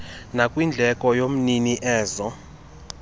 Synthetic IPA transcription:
nakʼwind͡ɮʱɛkʼɔjom̩niniʔɛːzɔ

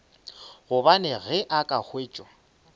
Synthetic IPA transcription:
ɣʊbanɛɣɛʔakʼak͡xʰweːt͡ʃʼɔ

